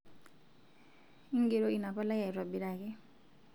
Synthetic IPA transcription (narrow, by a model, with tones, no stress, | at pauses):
i˦ŋɡe˨ɾɔ˦i˨na˨pa˦la˦ja˨i˨ɾwa˨bi˨ɾa˨kɛ˦